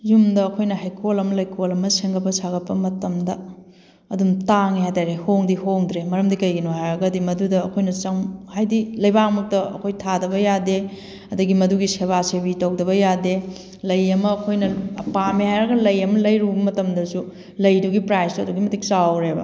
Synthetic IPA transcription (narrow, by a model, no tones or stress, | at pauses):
zumdɐːkʰojnɐɦajkʰolɐmɐlɐjkʰolɐmɐseŋɡɐbɐsaɡɐt̚pːɐmɐtɐmdɐ | ɐdumtaŋihajtajɾehoŋdihoŋdɾemɐɾɐmdikɐjɡinoɦajɾɐɡɐdimɐdudɐːkʰojnɐt͡ʃɐŋhajdilɐjbakmɐk̚tɐɐ̰kʰojtʰadɐβɐjade | ɐduɡimɐduɡiseβasebitɐwdɐβɐjade | lɐjɐmɐːkʰojnɐɐpamihajɾɐɡɐlɐjɐmɐlɐjɾubɐmɐtɐmdɐsu | lɐjduɡipɾajstuɐduɡimɐtik̚t͡ʃawɾebɐ̰